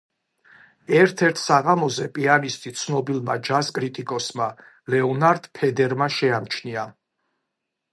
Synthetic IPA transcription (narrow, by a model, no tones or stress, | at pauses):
ɛɾt̪ʰɛɾt̪ʰsaʁamɔzɛpʼianist̪ʼit̪sʰnɔbilˠmad͡ʒaskʼɾit̪ʼikʼɔsma | lɛɔnaɾd̪̥pʰɛd̪ɛɾmaʃɛamt͡ʃʰnia